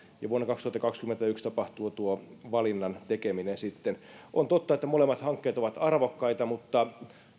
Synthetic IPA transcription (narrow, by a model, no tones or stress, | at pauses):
jɑʋuonːekɑkst̪uhɑt̪ːɑkɑkskyment̪æykst̪ɑpɑht̪uːt̪uoʋɑlinːɑnt̪ekeminensit̪ːenʔont̪ot̪ːɑet̪ːæmolemːɑt̪hɑŋkːeːt̪oʋɑt̪ɑrʋokːɑit̪ɑmut̪ːɑ